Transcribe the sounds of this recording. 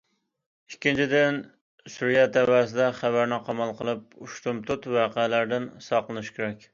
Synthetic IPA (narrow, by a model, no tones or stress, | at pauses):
ikʲʰːint͡ʃʰid̪ɪn | suɾjɛt̪ʰɛvæːsɪd̪ɛχæbæɾnɪqʰɑmɑlˠqəlˠɨp̚uʃt̪umt̪ʰʊt̪wɑːqælæɾd̪ɪnsɑqlˠɨnɨʃkʲʰeɾɛkʲ